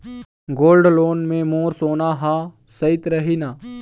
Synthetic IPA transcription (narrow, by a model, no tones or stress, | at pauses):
ɡoːlɖloːnmẽmoːɾsoːnaɦaː | sɐɪt̪ɾɐɦiːnaː